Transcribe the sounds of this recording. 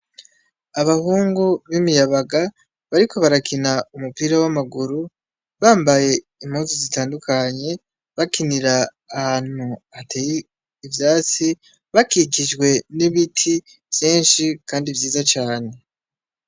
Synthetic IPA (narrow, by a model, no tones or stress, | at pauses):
aβahuːŋɡuβimijaβaɡa | βaɾikʰo̞βaɾakinaumupiːɾawamaɡuɾu | βaːmbaje̞ | imhuːzozitaːndukaɲe̞ | βakiniɾaː | haːn̥uatʰejiː | vjaːt͡si | βakikid͡ʒɡwe̞niβitʰi | vjeːnʃikʰaːndivjiːzat͡ʃaːne̞